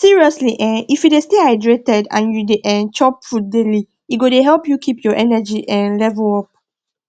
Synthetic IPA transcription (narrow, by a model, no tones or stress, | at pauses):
siɹiɔsliʔɛ̃nifjudesteaɪdɹetɛdã̰njudeʔɛ̃nt͡ʃɔpfut̚deli | iɡodeɦɛlpjukʰipjɔʔɛnɛd͡ʒiʔɛ̃nlɛvəɔp̚